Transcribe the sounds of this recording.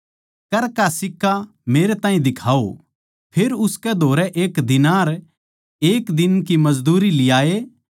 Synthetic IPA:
kɐɾkasɪkːa | meːɾet̪ãːĩd̪ɪkʰaːo | pʰeːɾʊskɛd̪ʱoːɾɛʔeːkd̪ɪnaːɾ | eːkd̪ɪnkimɐzd̪uːɾilɪjaːeː

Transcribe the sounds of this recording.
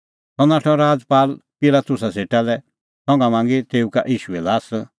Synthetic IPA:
t̪ɔnaːʈʰɔ̃ɾaːd͡zpaːlpɪlat̪ʊs̬aseːʈalɛ | sɔ̃ŋɡãmãːŋ̆ɡit̪eːuka̰ʔiːʃuɛlaːs

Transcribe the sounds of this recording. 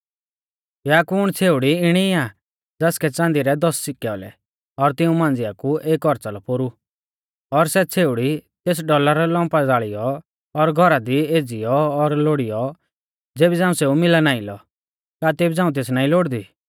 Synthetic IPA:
jaːkuːɽ̃t͡sʰeːʊɽiɪɽ̃ia | d͡zɛːskɛt͡sãːnd̪iɾɛd̪ɔssɪkɛɔlɛ̰ | ɔɾt̪ɪũmãːnd͡zɪjakuʔeːkɔɾt͡salɔpoɾu | ɔɾsɛt͡sʰeːʊɽit̪eːs̬ɖɔlaɾɔlɔ̃ːmpad͡zaːɭijɔ | ɔɾɡʱɔɾad̪ieːd͡zijɔːɾloɽijɔ | d͡zeːbid͡zãːũseumɪlanaːilɔ̰ | kat̪eːbid͡zãːũt̪̬eːsnaːĩloːɽd̪iː

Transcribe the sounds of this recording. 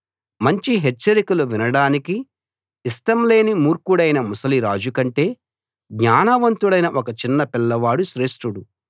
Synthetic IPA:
mɐɲt͡ʃiɦet͡ʃːɐɾikɐluʋinɐɽaːnikiː | sʈɐmle̞ːnimuːɾkuɽɐjnɐmusɐliɾaːd͡ʒukɐɳʈe̞ː | ɡɲaːnɐʋɐnt̪uɽɐjnɐʔɔkɐt͡ʃinːɐpilːɐʋaːɽuʃɾe̞ːʂʈɾuɽu

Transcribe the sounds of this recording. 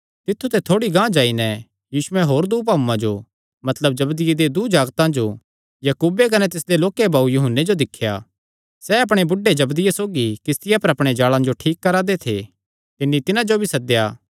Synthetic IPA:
t̪ɪt̪ʰːut̪ʰɛt̪ʰoːɽiɡãːd͡ʒaːinɛ | jiːʃʊɛɦoːɾd̪uːp̬aːmãd͡ʒo̰ | mɐt̪ləbd͡ʒɐbd̪ɪjed̪ed̪ud͡ʒaːɡt̪ãd͡ʒo | jɐkuːbekɐnɛt̪ɪsd̪eloːkebaːujʊɦənːed͡ʒod̪ɪkʰːja̰ | sɛɐpɽ̃ebʊɖːed͡ʒɐbd̪ɪjesoːɡikɪst̪ɪjapɐɾɐpɽ̃ed͡ʒaːɭãd͡ʒoʈʰiːkːɐɾad̪et̪ʰḛ | t̪ɪnːit̪ɪnãd͡ʒobʱisɐk̚d̪eja̰ː

